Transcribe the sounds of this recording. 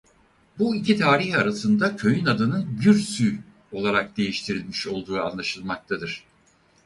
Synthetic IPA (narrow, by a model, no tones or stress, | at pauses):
buicʰit̪ʰaːɾihaɾasɯnd̪acʰø̞jynad̪ɯnɯnɟyɾsy | o̞lˠaɾak̚d̪e̞jiʃt̪ʰiɾilʲmiʃo̞lˠd̪uːa̰nlˠaʃɯlˠmak̚t̪ʰad̪ɯɾ̥